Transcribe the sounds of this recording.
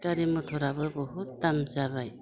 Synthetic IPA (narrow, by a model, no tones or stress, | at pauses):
kaɾimɔtʰɔɾabɯbɔɦutːamzaβaj